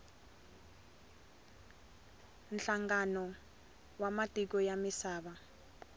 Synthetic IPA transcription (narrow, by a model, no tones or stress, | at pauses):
nɬaŋɡanɔ | wamatʼik̬ɔjamisaːɓa